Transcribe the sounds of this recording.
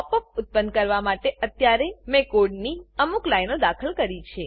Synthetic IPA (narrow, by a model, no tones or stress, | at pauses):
ɔpək̚ʊt̪̚pənd̪̚kəɾʋamaʈeʔət̪jaɾemekoɖniəmuklajnod̪akʰəlkəɾit͡ʃʰe